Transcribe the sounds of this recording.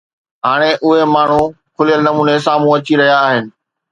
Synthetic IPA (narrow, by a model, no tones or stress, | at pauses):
ɦaːɽ̃eʔʊɦemaːɳ̤ũ | kʰʊlijəlnɐmuːnesaːm̤ũɐt͡ɕiɾɐɦijaːɦɪnɪ̆